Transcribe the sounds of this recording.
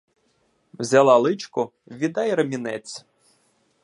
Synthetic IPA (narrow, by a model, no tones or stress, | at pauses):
wzʲɐlˠɑlˠɪt͡ʃkʊʋʲid̪ɑjɾɐmʲinɛt͡sʲ